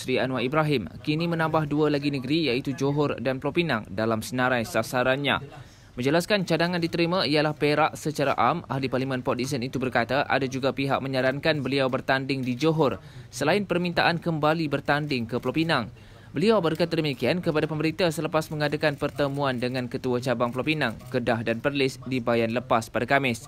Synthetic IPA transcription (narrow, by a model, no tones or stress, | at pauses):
ɾianwaibɾaɦɪmkinimə̃nãmbahdualaɡinəɡəɾijait̪ud͡ʒoɦɔrdanplɔpina̰ŋdalamsənãɾajsasaɾanɲã̰ | mə̃ɲd͡ʒəlaskant͡ʃadaŋãndit̪əɾimãialahpeɾaʔsət͡ʃaɾa̰ʔama̰hliparlimə̃npɔdis̬ənit̪ubərkat̪aʔa̰dad͡ʒuɡapiɦa̰ʔ̚mə̃ɲaɾankanbəliawbərt̪andɪŋdid͡ʒoɦɔrsəlaɪnpərmĩnt̪aʔankəmbalibərt̪andɪŋkəplɔpinaŋ | bəliawbərkat̪̬adəmikiankəpadapəməɾit̪asələpasməŋadakanpərt̪əmũandəŋãnkət̪uat͡ʃabaŋplawpinãŋkədahdanpərlɪsdibajanləpaspadakamɪs